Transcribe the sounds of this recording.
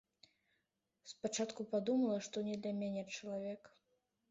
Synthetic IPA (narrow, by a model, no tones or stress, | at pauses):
spat͡ʂat̪kupad̪umɐlˠɐʂt̪ɔnʲɛd̪lʲɐmʲanʲɛt͡ʂɐlˠavʲɛk